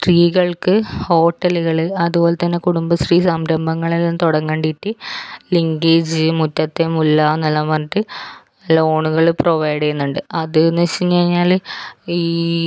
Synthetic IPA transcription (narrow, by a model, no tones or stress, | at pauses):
sriːɣɐɭkɨho̞ːʈːɐlɨɣɐɭɨɐðuboːle̞t̪ːɐnːekuɽumbɐsriːsɐmɾɐmbʱɐŋːɐɭelːaːmt̪oɽɐŋːeːɳɖiʈːiliŋɡeːd͡ʑɨmutːɐt̪ːemulːanɐlːɐmɐntːɨnɐlːɐo̞ːɳuɣɐɭproʋɐjɽejunːuɳɖɨɐðɨnɐɕimt͡ɕɐɾiɲːaːliː